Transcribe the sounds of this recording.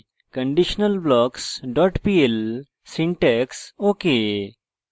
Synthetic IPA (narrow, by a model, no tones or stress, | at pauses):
kɐ̃ɳɖiʃnəlblɔːksɖɔːʈpiːel | sĩɳʈeksoːke